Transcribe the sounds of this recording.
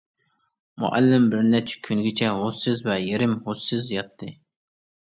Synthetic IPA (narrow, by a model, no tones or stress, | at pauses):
mʊ̰ʔa̰lːɪmbɪɾnɛt͡ʃʰkʲʰynɡʲɪt͡ʃʰɛhosːɪzvɛjeɾɪmhosːɪzjɑt̪ʰːɨ